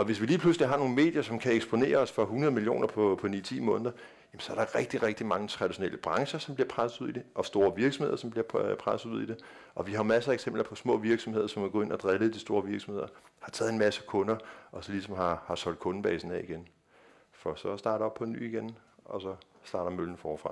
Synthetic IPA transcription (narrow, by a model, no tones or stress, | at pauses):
ɒ̽ʋe̝sʋiliːpʰlusəliɦɑ̈no̝ːn̩me̝̰ːd̥jɐsɒ̽mkʰæeɡ̥sb̥o̝ne̝̰ːɐɒsfɒ̽ɦunɐðˠmilijo̝̰ːnʔɐpʰɒ̽pʰɒ̽nḭːt͡sʰḭːmɔ̽ːnðˠɐ | jemnsɒ̽æɐɾ̥ɑ̈ʁɛɡ̥̚d̥iʁɛɡ̥̚d̥imɑ̈ŋət͡sʰʁɑ̈d̥iɕo̝nelʔəb̥ʁɑ̈ŋɕɐsɒ̽mbliɐpʰʁasð̩ˠuðˠid̥eʔɒ̽sd̥o̝ːɐʋiɐɡ̥sɔmheð̰ˠɐsɒ̽mb̥liɐpʰʁasð̩ˠuð̰ˠid̥e̝ | ɒ̽ʋiɦɑ̈mæsəæeɡ̥sem̰b̥lɐpʰɒ̽smɔ̰̽ːʋiɐɡ̥sɒ̽mheð̰ˠɐsɒ̽mæɡ̥ɔ̽e̝nɐd̥ʁɛlð̩ˠd̥isd̥o̝ːɐʋiɐɡ̥sɒmhe̝ðˠɐhɑ̈t͡sʰɛːðˠenmæsəkʰɔ̽nɐʔɒ̽sɒlisɒ̽mɦɑ̈hɑ̈sɒ̽l̰d̥̚kʰɔ̽nn̩b̥ɛ̰ːsn̩ɛiɡ̥en | fɒ̽sɒ̽sd̥ɑ̈ːɾɐɒ̽b̥̚pʰɒnːy̰ːiɡ̥en | ʔɒ̽sɒ̽sd̥ɑ̈ːɾ̥ɐmøln̩fɒːfʁɑ̈